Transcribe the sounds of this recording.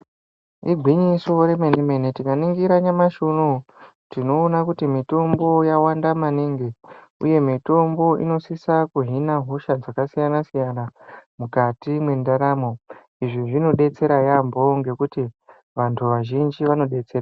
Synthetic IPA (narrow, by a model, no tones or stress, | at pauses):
iɡʱwiɲiso̞ɾe̞menimenetikaniŋɡiɾaɲamaʃono | tino̞ːnakutimito̞mbo̞jawandamaneŋɡeṵje̞mito̞mbo̞ʔḭno̞sisakuɦinaɦo̞ʃad͡zakasijanasijanamukatimwe̞ndaɾamo̞ | iʐiʐino̞ɗe̞t͡se̞ɾajambo̞ŋɡe̞kuti | ʋantʰuʋaʒind͡ʒiʋano̞ɗe̞t͡sera